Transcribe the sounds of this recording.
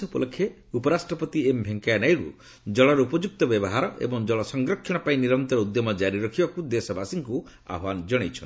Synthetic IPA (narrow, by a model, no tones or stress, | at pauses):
upɔlɔkʰːje | upɔɾasʈɾɔpɔt̪iembʱeŋkajnajɽṵ | d͡ʒɔɭɔɾɔupɔd͡ʒuk̚t̪ɔbjɔbɔɦaɾɔʔḛbɔŋd͡ʒɔɭɔsɔŋɡɾɔkʰːjɔ̃paĩniɾɔnt̪ɔɾɔud̪jɔmɔd͡ʒaɾiɾɔkʰibakud̪esɔbasiŋku | a̰bʱwand͡ʒɔɽ̃ejt͡ʃʰɔn